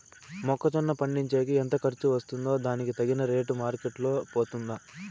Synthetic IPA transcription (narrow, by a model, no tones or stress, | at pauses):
mɔkːɐt͡ʃɐnːɐpɐɳɖiɲt͡ʃeːkiɛnt̪ɐkɐɾt͡ʃuʋɐst̪und̪o̞ːd̪aːnikit̪ɐɡinɐɾe̞ːʈumaːɾkeʈlo̞ːpoːt̪und̪a